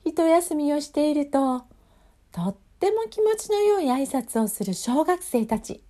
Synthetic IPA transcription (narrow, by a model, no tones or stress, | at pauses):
çit̪o̞jasɨmʲio̞ɕi̥t̪e̞iɾɯ̟t̪o̞ | t̪o̞t̪ːe̞mo̞kʲimo̞t͡ɕino̞jo̞ːɲiaisat͡sɨo̞sɨɾɯ̟ɕo̞ːɡakɯ̟̥se̞ːt̪at͡ɕḭ